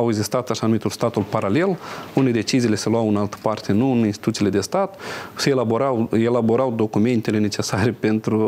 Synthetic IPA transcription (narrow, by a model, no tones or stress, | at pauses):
aweɡzist̪at̪aʃanumit̪ulst̪at̪ulpaɾale̞lune̞d̪e̞t͡ʃiziːle̞selwawɨnalt̪ə̥part̪e̞nuɨninst̪it̪ut̪siːle̞d̪e̞st̪at̪seːlabo̞ɾawelabo̞ɾawd̪o̞kume̞nt̪e̞le̞ne̞t͡ʃe̞saɾe̞pe̞nt̪ɾu